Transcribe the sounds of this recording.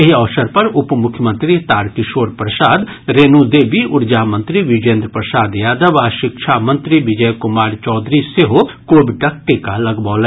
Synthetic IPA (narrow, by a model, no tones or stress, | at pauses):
eɦɔːsəɾpɐɾʊpmʊkʰjəmə̃nt̪ɾiːt̪aːɾkɪʃoːɾpɾəsaːd̪ɾeːnuːd̪eːbiːʔʊɾd͡ʒaːmə̃nt̪ɾiːʋɪd͡ʒẽːnd̪ɾəpɾəsaːd̪jaːd̪əʋaːʃɪkʃʰaːmə̃nt̪ɾiːʋɪd͡ʒəjkʊmaːɾt͡ʃɔːd̪ɾiseɦo | koːbiʈɐk̚ʈeːkaːləɡbaːlɛː